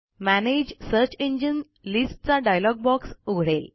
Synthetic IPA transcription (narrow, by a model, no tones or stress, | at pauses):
mæned͡ʑsəɾt͡ɕeɲd͡ʑən | lisʈ̚t͡saɖajlɔɡ̚bɔksuɡʱɽel